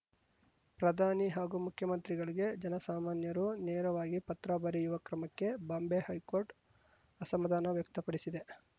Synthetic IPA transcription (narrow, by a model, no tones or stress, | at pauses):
pɾɐd̪ʱaːniɦaːɡumukʰjɐmɐnt̪ɾiɡɐɭiɡe̞d͡ʒɐnɐsaːmaːnjɐɾuneːɾɐʋaːɡipɐt̪ɾabɐɾijuʋɐkɾɐmɐkːe̞bɐmbehɐjkoːɾʈ | ɐsɐmːɐd̪ʱaːnɐʋjɐk̚t̪ɐpɐɽisid̪e